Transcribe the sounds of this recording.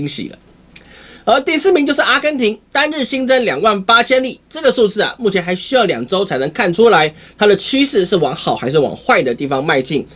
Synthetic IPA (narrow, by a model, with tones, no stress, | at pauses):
ŋɕḭ˨˩lə̰˦ | ə˧˥t̪i˥˧sɹ̩˥˩mi˧˥t͡ɕo˥˧ʊʂɻ̩˥˩ʔa˧˥kə˥nt̪ʰi˧˥ŋt̪a˥nɻ̩˥˩ɕi˥ŋt͡sə˥nljɑ˨˩ŋwa˥˩npa˥t͡ɕʰjɛ˥nli˥˩ʈ͡ʂɤ˥˩ɡə˩su˥˧t͡sɹ̩˥˩ɐ̰˨˩mu˥˩t͡ɕʰjɛ˧˥nxa˧˥ɪɕy˥jɑ˥˩ʊljɑ˨˩ŋʈ͡ʂo˥ʊt͡sʰa˧˥ɪnə˧˥ŋkʰa˥˩nʈ͡ʂʰu˥la˧˥ɪ | t̪ʰa˥d̪ə˨t͡ɕʰy˥ʂɻ̩˥˧ʂɻ̩˥˩wɑ˧˥ŋxɑ˨˩ʊxa˧˥ɪʂɻ̩˥˩wɑ̰˨˩ŋxwa˥˩ɪd̪ə˨t̪i˥˩fɑ˥ŋma˥˧ɪt͡ɕi˥˩ŋ